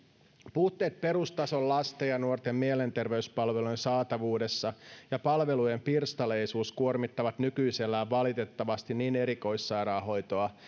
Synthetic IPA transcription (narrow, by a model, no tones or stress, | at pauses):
puht̪ːe̞ːt̪̚pe̞ɾust̪ɑso̞llɑst̪ejɑnuo̞rt̪e̞mːie̞le̞nt̪e̞rʋe̞yspɑlʋe̞lujnsɑːt̪ɑʋuːde̞sːɑjɑpɑlʋe̞luje̞mpirst̪ɑle̞jsuːskuormit̪ːɑʋɑt̪nykyjselːæːʋʋɑlit̪e̞t̪ːɑʋɑst̪iniːne̞ɾiko̞jsːɑjɾɑːɦo̞jt̪o̞ɑ